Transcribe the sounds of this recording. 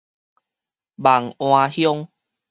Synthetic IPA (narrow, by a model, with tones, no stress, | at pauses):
ba˨˩ŋw̃ãː˧hjɔ˦ŋ